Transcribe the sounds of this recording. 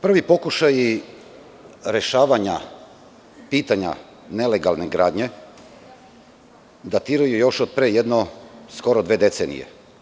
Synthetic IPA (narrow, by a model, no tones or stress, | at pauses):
pr̩ʋipo̞kuʃaji | ɾeʃaːʋaɲa | piːt̪aɲa̰ | ne̞leɡalˠne̞ɡɾaːd̪ɲe̞ | d̪at̪iːɾajujo̞ʃod̪̚pɾejed̪nosko̞ɾod̪ʋe̞ːd̪et̪seːnḭjḛ